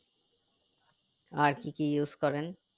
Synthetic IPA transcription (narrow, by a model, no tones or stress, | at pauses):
aɾkikijuzkɔɾen